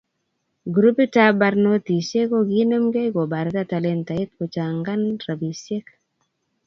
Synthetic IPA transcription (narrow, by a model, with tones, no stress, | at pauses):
ɡɾu˦pi˦ta˦ba˧ɾno˦t̪i˨sje˦ko˦ɡi˦no˦mɡe˦ɡo˨ba˨ɾta˦ta˨lɛ˦nt̪a˨ɪ˦t̪̚ko˨t͡ʃa˨ŋɡa˦nra˨bi˨sje˦k